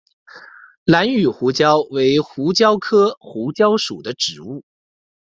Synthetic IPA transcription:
la˧˥ny˨˩xu˧˥t͡ɕjɑ˥ʊwe˧˥ɪxu˧˥t͡ɕjɑ˥ʊkʰɤ˥xu˧˥t͡ɕjɑ˥ʊʂṵ˨˩d̪ə˦ʈ͡ʂɻ̩˨˩˦u˥˩

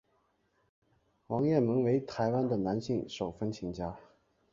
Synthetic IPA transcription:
wɑ˧˥ŋjɛ˥˩mɤ˧˥ŋwe˧˥ɪt̪ʰa˧˥ɪwa˥nd̪ə˨na˧˥nɕi˥˩ŋʂo˨˩ʊfə˥nt͡ɕʰi˧˥ŋt͡ɕja˥

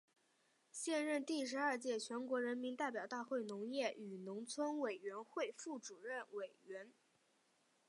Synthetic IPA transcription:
ɕjɛ˥˧nɻə˥˧nt̪i˥˩ʂɻ̩˧˥ɐ˞˥˧t͡ɕjɛ˥˩t͡ɕʰɥɛ˧˥nkwɔ˧˥ɻə˧˥nmi˧˥nt̪a˥˩ɪpjɑ˨˩ʊt̪a˥˧xwe˥˩ɪnʊ˧˥ŋjɛ˥˩ʔy˨˩nʊ˧˥ŋt͡sʰwə˥nwe˨˩ɪɥɛ˧˥nxwe˥˧ɪfu˥˩ʈ͡ʂu˨˩ɻə˥˩nwe˨˩ɪɥɛ˧˥n

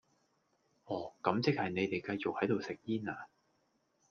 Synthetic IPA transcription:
ʔɔː˨˩kɐ˨˥mt͡sɪ˥k̚hɐ˨jne˨˧jt̪e˨jkɐ˧jt͡sʊ˨k̚hɐ˨˥jt̪o˨wsɪ˨k̚jiː˥naː˨

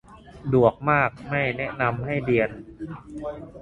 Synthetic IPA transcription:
du˨˩ək̚maː˥˩k̚ma˥˩jnɛ˦˥ʔna˧mha˥˩jdi˧ən

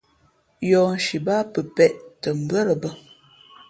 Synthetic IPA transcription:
jɔ˨n̩˨ʃi˨ba˦pə˨pɛ˨ʔtə˨m̩˨bə˦ɾə˨bə˦

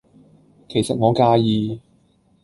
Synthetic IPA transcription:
kʰe˨˩jsɐ˨t̚ŋɔː˨˧kaː˧jiː˧

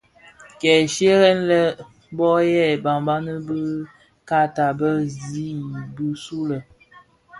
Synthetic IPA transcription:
kɛ˨ʃe˦ɣɛ˦nlə˦ | bɔ˦jɛ˦˨ba˨mba˦nə˦bə˦ | ka˦ta˨bə˦zi˦bə˦su˦lə˨

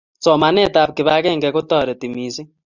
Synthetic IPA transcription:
sɔ˨ma˨nɛ˦ta˨p̚kɪ˨βa˦kɛ˦ŋɡɛ˨ku˦tɔː˦ɾɔ˨ti˨mi˨si˦

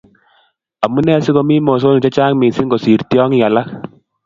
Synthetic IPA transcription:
a˨mu˦nɛ˦si˦kɔ˧mi˦mɔ˨s̬o˦nu˨t͡ʃa˦t͡ʃaː˦ŋmi˨si˦ŋɡɔ˨si˨ɾtjɔ˦ŋi˨a˨la˦k̚

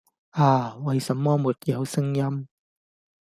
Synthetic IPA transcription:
ʔaː˨˩wɐ˨˧jsɐ˨˥mːɔː˥mu˨˩t̚jɐ˨˧wsɪ˥ŋjɐ˥m

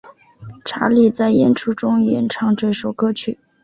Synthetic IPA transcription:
ʈ͡ʂʰa̰˧˥li˥˩t͡sa˥˩ɪjɛ̰˥nʈ͡ʂʰu˥ʈ͡ʂʊ˥ŋjɛ˧˥nʈ͡ʂʰɑ˧˥ŋʈ͡ʂwe˥˧ɪʂo˨˩ʊkɤ˥t͡ɕʰy˥˩˦

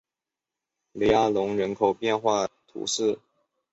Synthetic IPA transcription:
le˧˥a˥˩lʊ˧˥ŋɻə˧˥nkʰo˨˩ʊpjɛ˥˧nxwa˥˩t̪ʰṵ˧˥ʂɻ̩˥˩

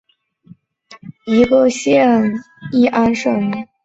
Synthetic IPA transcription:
i˧˥ɡə˧ɕjɛ˥˧n | i˥˩ʔa˥nʂə˨˩ŋ˧˥

